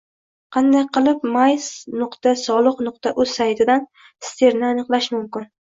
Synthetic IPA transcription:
qʰɑnd̪ajqʰɨlˠɪpmajsnʊqt̪asɒlˠɨqnʊqt̪ʰaʔɵz̥sajt̪ʰɪd̪an | st̪ʰeɾnɪanɨqlˠaʃmʊmkʲɪn

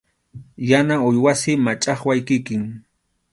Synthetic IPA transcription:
janaʊjwasɪmat͡ʃʼɑχwajkɪkɪŋ

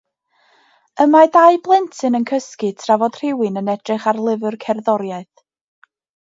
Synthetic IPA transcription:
əmadaɨblˠɛntʰɨnənkʰəskɨtʰravɔd̥r̥ɪwɨnənɛdrɨχarlˠɪvɨrkʰɛrðɔɾjaɨθ

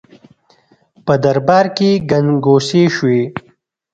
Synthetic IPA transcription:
pəd̪ɐɾbɑːɾkeɡɐnɡoːseʃwe

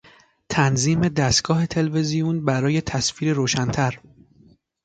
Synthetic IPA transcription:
t̪ʰænziːme̞d̪æst̪̚ɡ̥ɒːɦe̞t̪ʰe̞lve̞zijunbæɾɒːje̞t̪ʰæsfiːɾeɾoːʃænt̪ʰæɾ

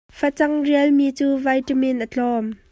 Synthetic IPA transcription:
fɐt͡sɐŋriəlmiːt͡suːvɐjʈəmɪnʔət͡ɬɔm

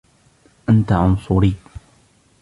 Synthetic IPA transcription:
ʔant̪aʕʊnsˤʊɾiː

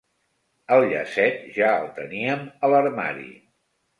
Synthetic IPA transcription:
əlˠʎəsɛt̪̚ʒaəlˠt̪əniəmələɾma̰ɾḭ

